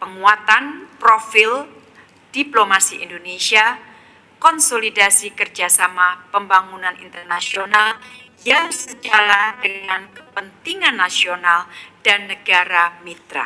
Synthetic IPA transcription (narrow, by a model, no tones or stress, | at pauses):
pəŋuat̪anpɾofɪl | d̥iplomasiʔḭndonesia | kɔnsolidasikərd͡ʒasamapəmbaŋunanʔḭnt̪ərnasional | jaŋsəd͡ʒaɾadəŋankəpənt̪iŋanːasionald̥anːəɡaɾamit̪ɾa̰